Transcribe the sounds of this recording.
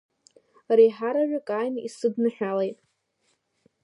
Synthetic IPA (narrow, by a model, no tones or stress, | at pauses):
rijħaɾaʕʷᶣakʼajnḭsɨdnɨħʷᶣalejtʼ